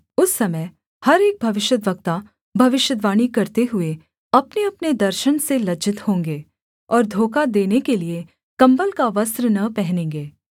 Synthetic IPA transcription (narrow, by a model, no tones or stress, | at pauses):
ʊsːɐməj | hɐɾeːk̚bʱɐʋɪʃjəd̪ʋɐk̚t̪a | bʱɐʋɪʃjəd̪ʋaːɽ̃ikɐɾt̪eɦʊe | ɐpneɐpned̪ɐɾʃəñselɐd͡ʒɪt̪hõːŋɡeː | ɔːɾd̪ʱoːkad̪eːnekelie | kɐ̃mbəlkaʋɐsɾnɐpɛɦnẽːŋɡeː